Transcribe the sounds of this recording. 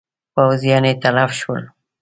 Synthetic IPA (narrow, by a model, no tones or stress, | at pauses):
pawzijɑnet̪alafʃə̰l